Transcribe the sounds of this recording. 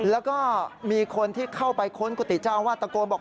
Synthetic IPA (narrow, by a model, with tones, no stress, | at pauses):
lɛː˦˥wkɔː˥˩miː˧kʰo˧nt̪ʰiː˥˩kʰa˥˩wpa˧jkʰo˦˥nku˨˩t̪ːi˨˩t͡ɕaː˧mwaː˥˩t̪a˧koː˧nbɔː˨˩